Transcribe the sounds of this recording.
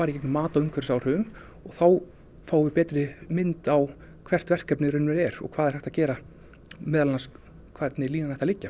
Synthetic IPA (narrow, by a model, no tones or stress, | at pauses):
aːɾɪceknʏmaːt̪aʏŋkʰɛɾɪsaːwr̥ʏːðʏn | ɔɣθaw | faːwvɪpɛːt̪ɾɪmɪnt̪aw | kʰv̥ɛr̥t̪vɛr̥kɛpnɪɾʏnːʏɾɛɾɔ̰kʰvaːðɛɾ̥hɛht̪acɛːɾa | mɛːðalnas | kʰvɛɾt̪nɪliːnanθɛht̪alɪcːa